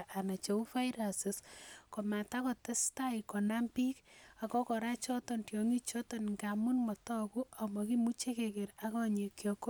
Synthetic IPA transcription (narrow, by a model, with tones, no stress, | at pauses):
ʔa˨na˨t͡ʃe˨u˦fa˦jɾasɪ˨skɔ˨ma˨ta˦kɔ˨tɛ˦sta˦ikɔ˨na˦mpi˦ka˨kɔ˦kɔ˨ɾa˦t͡ʃɔ˦tɔntjɔ˨ŋi˦t͡ʃɔ˦tɔ˦nŋkamu˦nmɔ˨tɔ˦ku˦a˨mɔ˨ki˦mu˦t͡ʃe˦keke˨ɾa˦kɔ˦ɲe˨kjɔ˨ko˦